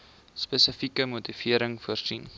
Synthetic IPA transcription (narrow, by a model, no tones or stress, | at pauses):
spesəfikəmutifiəɾəŋfuərsin